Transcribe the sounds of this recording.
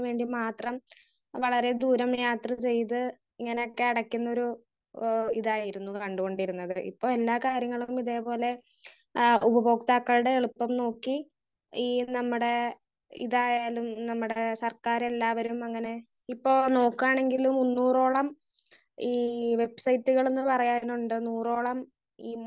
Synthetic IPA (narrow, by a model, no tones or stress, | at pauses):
ʋe̞ːɳɖimaːt̪rɐm | ʋɐɭɐɾe̞d̪uːɾɐmjaːt̪rɐt͡ɕe̞jt̪̬ɨ | iŋːɐneo̞kːe̞ɐɽɐkʲːunːɐo̞ɾu | iðaːjiɾunːukɐɳɖuɣo̞ɳɖiɾunːɐðɨʔḭpːo̞ːɭe̞lːaːkaːɾjɐŋːɐɭumiðe̞ːpo̞ːle̞ | ubɐbo̞ːkt̪aːkːɐɭɽe̞ːɭupːɐmno̞ːkːi | iːnɐmːuɽe̞ | ḭðaːjaːlumnɐmːuɽe̞sɐrkaːɾelːaːʋɐɾumɐŋːɐne̞ | ipːo̞ːno̞ːkːaːɳe̞ŋɡilumunːuːro̞ːɭɐm | iːʋe̞bsɐjtːuɣɐɭenːɨpɐrɐjaːnuɳɖɨnuːro̞ːɭɐm | iː